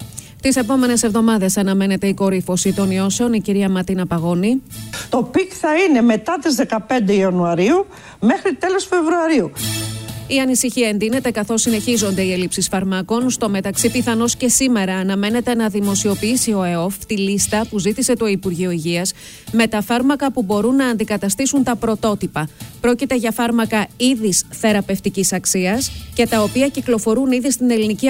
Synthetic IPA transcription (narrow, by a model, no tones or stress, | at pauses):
t̪ise̞po̞me̞ne̞se̞vðo̞mɐðɐsɐnɐme̞ne̞t̪e̞iko̞ɾifo̞sit̪o̞nio̞se̞o̞niciɾiɐmɐɾt̪inɐpɐɣo̞nit̪o̞pikθɐine̞me̞t̪ɐt̪izðe̞kɐpe̞nd̪eiɐnuɐɾiu | mexɾit̪elo̞sfe̞vɾuɐɾiu | iɐnisiçiɐe̞nðine̞t̪e̞kɐθo̞sːine̞çizo̞nd̪e̞ie̞lipsisfɐɾmɐko̞nst̪o̞me̞t̪ɐksipiθɐno̞sce̞sime̞ɾɐːnɐme̞ne̞t̪e̞nɐðimo̞sio̞piisio̞eo̞ft̪ilist̪ɐpuzit̪ise̞t̪o̞ipuɾʝio̞iʝiɐs | me̞t̪ɐfɐɾmɐkɐpubo̞ɾunːɐːnd̪ikɐt̪ɐst̪isunt̪ɐpɾo̞t̪o̞t̪ipɐpɾo̞cit̪e̞ʝɐfɐɾmɐkɐiðisθe̞ɾɐpe̞ft̪icisɐksiɐsce̞t̪ɐo̞piɐciklo̞fo̞ɾuniðist̪ine̞linici